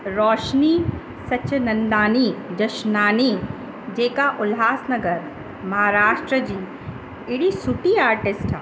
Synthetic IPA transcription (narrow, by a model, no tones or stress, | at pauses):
ɾɔːʃni | sɐʃʰnɐ̃nd̪aːnid͡ʒɐʃnaːni | d͡ʒeːkaʔʊlɦaːsnɐɡəɾ | mɐɦaːɾaːʃʈɾəd͡ʒiː | ɪɽisuʈiaːɾʈɪsʈː